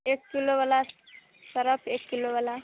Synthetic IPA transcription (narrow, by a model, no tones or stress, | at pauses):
ekːiloʋəla | səɾəpʰekːiloʋəla